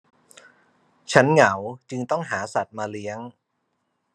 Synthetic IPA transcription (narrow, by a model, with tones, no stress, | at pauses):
t͡ɕʰa˦˥nŋa˩˦wt͡ɕɯ˧ŋt̪ɔ˥˩ŋɦaː˩˦sa˨˩t̪̚maː˧li˦˥əŋ